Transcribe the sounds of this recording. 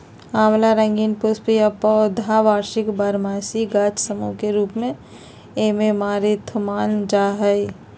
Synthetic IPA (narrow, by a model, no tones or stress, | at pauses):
aːmlaɾə̃ŋɡiːnpʊspijapɔd̪ʱaʋaːɾʃɪkbaɾmaːsiɡaːt͡ʃsəmukeɾuːpmẽ | ememaːɾit̪ʰʊmaːnd͡ʒaːɦəj